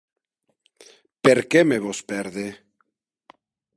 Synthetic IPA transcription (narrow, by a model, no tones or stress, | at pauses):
peɾkemeβospeɾðe